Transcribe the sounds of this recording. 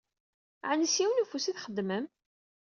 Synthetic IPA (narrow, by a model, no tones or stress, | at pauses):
ʕanəsiwənufusiθχəd̪ːməm